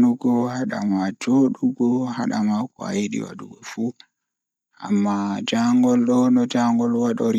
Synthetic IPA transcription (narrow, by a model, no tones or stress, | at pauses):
nuɡɔhaɗa̰mad͡ʒoɗuɡɔha̰ɗa̰makɔ̰ajeɗḭwa̰ɗṵɡɔfu | a̰mːad͡ʒaŋɡɔlɗɔnɔd͡ʒaŋɡɔlwaɗɔɾ